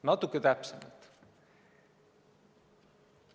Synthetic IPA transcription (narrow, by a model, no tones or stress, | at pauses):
nɑt̪ːukːˑet̪æpsemɑ̰lt̪